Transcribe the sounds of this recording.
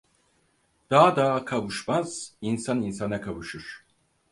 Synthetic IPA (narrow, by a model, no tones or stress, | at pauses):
d̪̥aɦad̪aɦkʰavɯʃmaz̥insaninsanakʰavɯʃɯɾ̥